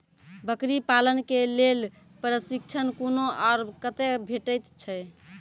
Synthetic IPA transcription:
bəkɾipalənkelel | pɾəsik̚t͡ʃʰənkonoaːɾkət̪ɛbʱeʈəjt̪t͡ʃʰə

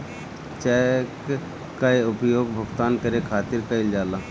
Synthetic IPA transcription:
t͡ʃak | kaeʊpjoːɡbʱəɡt̪aːnkɐɾekʰaːt̪ɪɾkaɪld͡ʒaːlaː

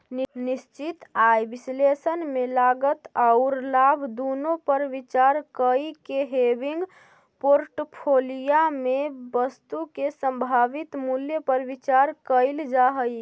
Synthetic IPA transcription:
ninist͡ʃit̪ajbislesənmelaɡət̪aʊɾlabʱd̪onopəɾʋit͡ʃaɾkəikeɦebiŋɡ | poɾʈpʰolijamebəst̪ukesə̃mbʱaʋit̪muljəpəɾʋit͡ʃaɾkəɪld͡ʒaɦəj

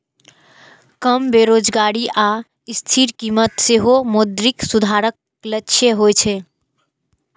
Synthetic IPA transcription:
kəmbeɾod͡ʒɡaɽiʔa | ɪst̪ʰiɾkimət̪seɦomod̪ɾiksud̪ʱaɾək | lətːʃʰjeɦojt͡ʃʰɛ

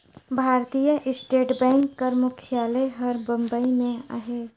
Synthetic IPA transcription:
bʱaːɾt̪ijəʔɪsʈeːʈbɛ̃ːŋkːɐɾmʊkʰijaːleɦɐɾbɐ̃mbəimẽa̰ɦeː

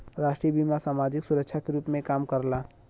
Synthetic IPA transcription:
ɾaːʃʈɾibimasaːmaːd͡ʒɪksʊɾəkʃʰakeɾuːpmẽkaːmkəɾlaː

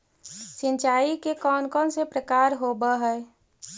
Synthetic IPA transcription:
sɪ̃nt͡ʃaːikekɔːnkɔnsepɾəkaːɾɦobəɦɛ

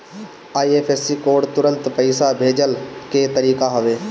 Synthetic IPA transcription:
aːieːpʰeːsːikoːɖt̪ʊɾə̃nt̪pəɪsabʱeːd͡ʒəlket̪ɐɾiːkaɦɐʋeː

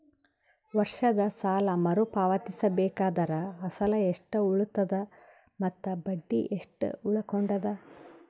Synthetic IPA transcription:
ʋɐɾʂɐd̪ɐsaːlɐmɐɾupaːʋɐt̪isɐbɛːkaːd̪ɐɾɐɐsɐlɐeʂʈɐuɭut̪ːɐd̪ɐ | mɐt̪ːɐbɐɖːiʔeʂʈuɭɐkoɳɖɐd̪ɐ

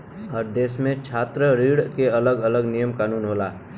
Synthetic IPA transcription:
ɔːɾd̪eːsmẽt͡ʃʰaːt̪ɾəɾiːɽkeɐləɡələɡnijəmkaːnuːnɦoːlaː

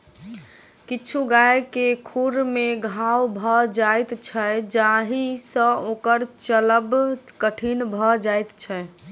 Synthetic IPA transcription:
kit͡ʃʰuɡaekekʰuɾmeɡʱawbʱəd͡ʒajt̪t͡ʃʰəd͡ʒaɦisə̃okəɾt͡ʃələbkəʈʰinbʱəd͡ʒajt̪t͡ʃʰɛ

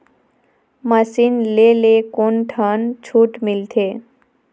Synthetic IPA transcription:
məsinlelekonʈʰənt͡ʃʰuʈmilt̪ʰe

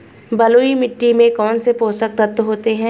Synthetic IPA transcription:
bɐloːimɪʈːimẽkɔːnsepoːsək̚t̪ɐt̪ːɦoːt̪eɦɛ̃ː

